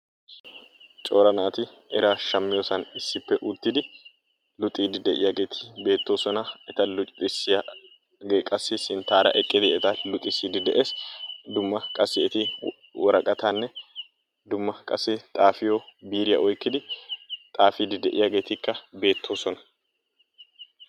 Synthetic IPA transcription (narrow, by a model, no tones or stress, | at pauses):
t͡ʃʼo̞ːɾɐnaːt̪ɪ | ɛɾaːʃɐmːɪjoːsɐnɪsːɪpːɛʔʊt̪ːɪd̪ɪ | lʊt̪ʼiːd̪ɪd̪ɛʔɪ̰jaɡe̞ːt̪ʰɪ̥be̞ːt̪ːoːsɔnɐɛt̪ɐlʊt͡ʃʼɪt̪ɪsɪjɐ | ɡkʼɐsːɪsɪnt̪aːɾɐ̰ʔɛkʼːɪd̪ɪɛt̪ɐlʊt̪ʼːɪsiːd̪ɪd̪ɛʔe̞ːsd̪ʊmːɐkʼɐsːɪɛt̪ɪ | wʔɔɾɐkʼɐt̪ʰanːɛ | d̪ʊmːɐkʼɐ̰sːɪt̪ʼaːfɪjoːbiːɾɪjɐ̰ʔɔjkːɪd̪ɪt̪ʼaːfiːd̪ɪd̪ɛʔɪjaːɡe̞ːt̪ɪkːɐbe̞ːt̪ʰːo̞ːsɔnɐ̥